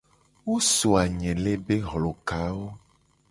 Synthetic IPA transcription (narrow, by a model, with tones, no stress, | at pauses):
wo˦so˨a˨ɲɛ̃˨le˦be˦ɦlɔ˨ka˨˦wo˦